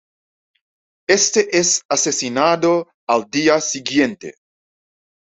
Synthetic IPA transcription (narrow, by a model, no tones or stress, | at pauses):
est̪eʔesasesinad̪o | ald̪iasiɡjent̪ḛ